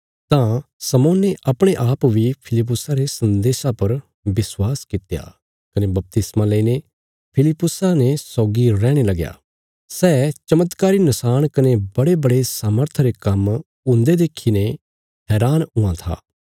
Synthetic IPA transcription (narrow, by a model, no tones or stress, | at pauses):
t̪ãsɐmoːnːeʔɐpɽ̃eʔaːpbipʰɪlɪp̬ːʊsaɾesɐ̃nd̪eːʃapɐɾ | bɪswaːskɪt̪ja̰ | kɐnebɐp̚t̪ɪsmãləine | pʰɪlɪpːʊsanesɔːɡiɾɛːɽ̃elɐɡja̰ː | sɛːt͡ʃɐmət̪kaːɾinɐsaːɽ̃kɐnebɐɽebɐɽesaːməɾt̪ʰɾekɐm | ʊ̃nd̪ed̪eːkʰːine | ɦɛːɾaːnɦʊãt̪ʰa̰ː